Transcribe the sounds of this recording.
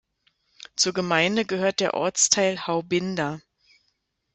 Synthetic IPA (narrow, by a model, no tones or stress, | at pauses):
t͡suːɐɡəmaɪndəɡəɦøːɐt̚d̥eːɐʔɔ̰ɐt͡stʰaɪlhaʊbɪnda